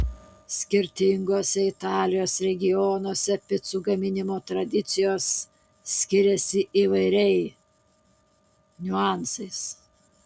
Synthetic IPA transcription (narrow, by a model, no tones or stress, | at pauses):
sʲkʲɪɾʲt̪ʲɪŋɡoːsʲɛɪt̪ɑːlʲɪjoːsɾʲɛɡʲɪjɔnoːsʲɛpʲɪt̪suːɡɐmʲɪnʲɪmoːt̪ɾɐd̪ʲɪt̪sʲɪjoːsːʲ | kʲɪɾʲɛsʲɪʔiːʋɐɪɾʲɛɪ | nʲʊɑˑnsɐɪs